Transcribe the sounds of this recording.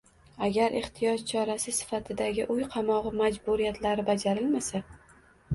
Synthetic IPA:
aɡʲaɾʔeχt̪ʰijɒt̪t͡ʃʰɒɾasɪsɪ̥fat̪ʰɪd̪aɡʲɪʔʊjqʰɑmɒʁɨmad͡ʒbʊɾijat̪ʰlaɾɪbad͡ʒaɾɪlmasa

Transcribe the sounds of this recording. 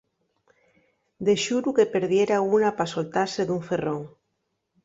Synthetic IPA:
d̪eʃuɾukepeɾðjeɾaunapasolt̪aɾseðuɱferoŋ

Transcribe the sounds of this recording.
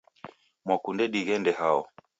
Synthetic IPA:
mwakundɛɗiɣɛndɛhaɔ

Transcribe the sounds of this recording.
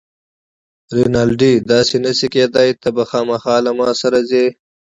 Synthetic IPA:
ɾinaːlɖid̪ɑːsinɐsikeːd̪ajt̪ɐbɐxɑːmɐxɑːlamɑːsɐɾazeː

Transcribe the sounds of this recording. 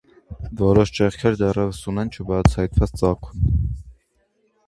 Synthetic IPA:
vɔɾɔʃt͡ʃɛχkʰɛɾd̪ɛrɛvəsunɛnt͡ʃʰəbɑt͡sʰɑjt̪vɑt͡st͡sɑkʰun

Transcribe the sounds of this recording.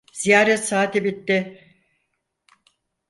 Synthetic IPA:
z̥ijaːɾɛt̪saːt̪ebit̪ːɪ

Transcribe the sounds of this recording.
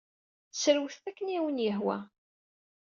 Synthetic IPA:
θəsəɾwθθækːəniwənjəɦwæ̰

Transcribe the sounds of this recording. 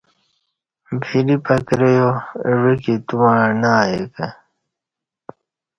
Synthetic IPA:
bʱʰilipɐkɾejoɻekit̪umanaːjekə

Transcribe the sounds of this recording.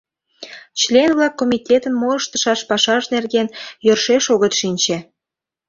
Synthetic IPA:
t͡ɕlʲenβlɑkːomʲitʲet̪ənmoləʃt̪ə̥ʃɑʃpɑʃɑʒnerɣenjørʃeʃoɣət̪ʃinʲt͡ɕe

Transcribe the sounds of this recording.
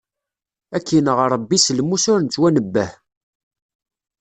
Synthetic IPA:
ækːinəʁɾˤəbːislmusʊɾnt͡s̪ːwænəbːəh

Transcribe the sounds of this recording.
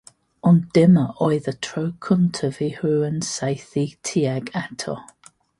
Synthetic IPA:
ɔnd̥ɪməʔɔɪðətʰɹəʊkʰʊ̃ntʰəvihʉə̃nsaɪθitʰiaɡatʰɔ̰

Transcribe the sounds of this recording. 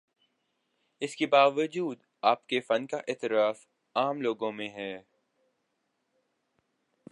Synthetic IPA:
ɪskebaːʋəd͡ʒuːd̪ | aːpkefɐnkaʔɪːt̪ɪɾaːf | aːmloːɡõmẽɦɛː

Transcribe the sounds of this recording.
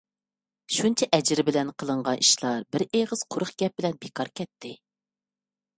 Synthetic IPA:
ʃunt͡ʃʰɛʔɛd͡ʒɪɾɪbɪlɛnqʰəlˠəɴʁɑnʔiʃlˠɑɾbɪɾeʁəz̥qʰʊɾʊχɡʲɛp̚bɪlɛnbekʰɑɾkʲʰɛt̪ʰːɪ

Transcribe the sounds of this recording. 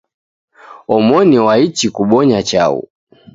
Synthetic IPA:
ɔmɔniwait͡ʃikuɓɔɲat͡ʃaṵ

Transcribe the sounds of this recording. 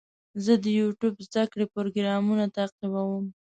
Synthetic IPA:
zəd̪əjuʈubzd̪akɽepoɾoɡɾɑmunat̪aqiwawəm

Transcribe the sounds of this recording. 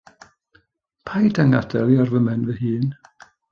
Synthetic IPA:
pʰajdaŋadɛlˠiɔrvəmɛnvəhɨːn

